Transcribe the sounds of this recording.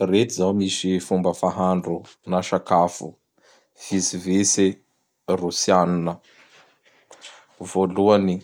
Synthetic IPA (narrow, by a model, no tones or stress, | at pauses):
ret̪izawmiʃifumbəfaɦaɳɖ͡ʐunaʃakafṵ | fisivesi | rusianinə | voluani